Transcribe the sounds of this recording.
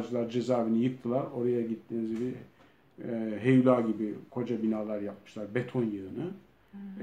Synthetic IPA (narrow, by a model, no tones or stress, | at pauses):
d͡ʒɯlˠaɾd͡ʒezaːvinijɯk̚t̪ʰɯlˠaɾo̞ɾajaɟit̪ʰːinizibi | ɦejulʲˠaːɟibikʰo̞d͡ʒabinaːlˠaɾjap̚mɯ̥ʃlˠaɾbet̪ʰo̞njɯɯnɯ